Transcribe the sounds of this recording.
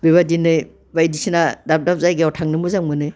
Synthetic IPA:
biβadinɯj | bajdisinadap̚dap̚zajɡeɔtʰaŋnɯmuzaŋmɯnɯj

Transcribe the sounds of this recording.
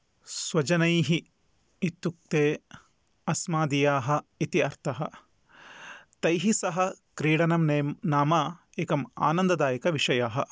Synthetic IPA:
swɐd͡ʒɐnɐjɦi | it̪ːuk̚t̪eː | ɐsmaːd̪ijaːɦɐ̆it̪iɐɾt̪ʰɐɦɐ | t̪ɐjɦisɐɦɐkɾiːɽɐnɐmnaːmaː | eːkɐma̰ːnɐnd̪ɐd̪aːjɐkɐʋiʂɐjaːɦɐ

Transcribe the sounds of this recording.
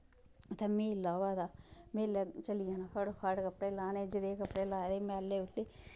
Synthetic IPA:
ət̪eːmẽːɪlaːʋaːd̪aːmẽːlat͡ʃəlɪjãːnaːkʰəɽkʰəɽkəpɽeːlaːneːd͡ʒɪd̪eːkəpɽeːlaːed̪eːmɛ̃ːəlːeːʊleː

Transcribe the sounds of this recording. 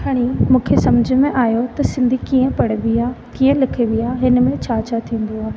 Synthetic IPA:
ɦɐɽ̃imũːkʰesɐmd͡ʑʱə̆mẽʔaːjot̪ɐsɪ̃nd̪ʱikiːə̃pɐɽ̤ʋiakiːə̃lɪkʰeʋijaːɦɪnmẽt͡ɕʰaːt͡ɕʰat̪ʰĩːn̆d̪oaːɦe

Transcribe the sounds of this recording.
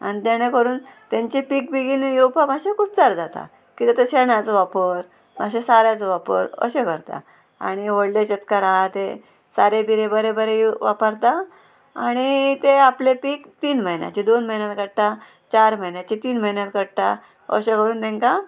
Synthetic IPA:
a̰nit̪aɽ̃ekəɾuːnt̪aɲt͡ɕepiːk̚biɡiːnjewpʰabʱaɕekut͡st͡saɾd͡zat̪a̰ | kit̪at̪əɕeɳjat͡soʋapəɾ | m̤ʱaɕesaɾjat͡soʋapə̰ɾə̰ɕekəɾt̪a̰ | a̰ɽ̃iʋoɽlet͡ɕət̪kaɾaɦat̪e | saɾed̪iɾebəɾebəɾejʋapəɾt̪a | aɽ̃it̪eaplepiːkt̪iːnməjnja̰t͡ɕid̪onməjnjat̪kəɽʈ̪a | t͡ɕaɾm̤əjnjat͡ɕit̪iːnm̤əjinjat̪kəɽʈ̪a̰ | ə̰ɕekəɾuːnt̪ɛ̃ŋka

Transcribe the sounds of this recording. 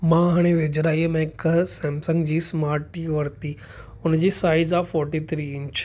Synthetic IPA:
mãɦaɽ̃eʋed͡ʑɾaːjemɛ̃ksɛ̃ːmsə̃ŋɡd͡ʑiːsmaːɾʈiʋəɾt̪iː | ʊnd͡ʑisaːizaːfɔːɾʈit̪ʰɾiːɪɲt͡ʃ

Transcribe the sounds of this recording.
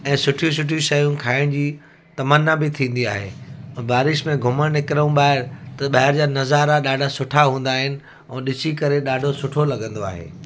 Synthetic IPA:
ɛ̃ːsʊʈʰijũsʊʈʰĩʃɐjũkʰaːɪɽ̃d͡ʑiː | t̪ɐmənːabɪt̪ʰĩːn̆d̪ia̰ːɦḛ̃ːbaːɾɪʃmẽɡʱʊməɽ̃nɪkɾəũɓaːɦɪɾt̪ɐɓɐɦɪɾd͡ʑaːnɐzaːɾaɗaːɖʱasʊʈʰaɦũːn̆d̪aːɦɪnɪ̆ | ɛ̃ːɗɪt͡ɕikɐɾeɗaːɖʱosʊʈʰolɐɡə̃nd̪oa̰ːɦḛː

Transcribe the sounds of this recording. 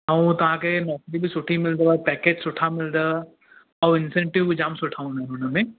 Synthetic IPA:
aũt̪ɐãkenɔːkɾibʱisʊʈʰimɪld̪əapɛːkeːd͡ʒsʊʈʰamɪld̪ə | ɔʋɪnsẽɳʈɪʋbʱid͡ʒaːmsʊʈʰaːũnaɦʊnəmẽ

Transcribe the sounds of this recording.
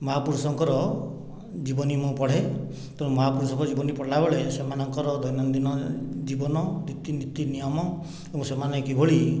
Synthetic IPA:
mɔɦapuɾusɔŋkɔɾɔ | d͡ʒibɔnimũpɔɽ̤e | t̪eɾũmɔɦapuɾusɔŋkɔɾɔd͡ʒibɔnipɔɽlabeɭesemanɔŋkɔɾɔd̪ʱɔjnɔnd̪inɔd͡ʒibɔnɔnit̪init̪inijɔmɔ | ebɔ̃semanɔjkibʱoɭi

